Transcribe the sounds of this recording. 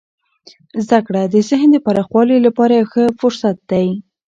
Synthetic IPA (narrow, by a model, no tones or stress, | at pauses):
zd̪akɽad̪əsɪɦnd̪əpaɾɑxwɑlilapɑɾajwxəfʊɾsat̪̚d̪̥aj